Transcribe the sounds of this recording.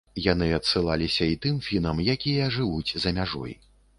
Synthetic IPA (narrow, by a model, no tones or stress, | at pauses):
janɨɐt̪sɨlˠalʲisʲɐit̪ɨmfʲinɐmjakʲijɐʐɨvut͡sʲzɐmʲaʐɔ̰j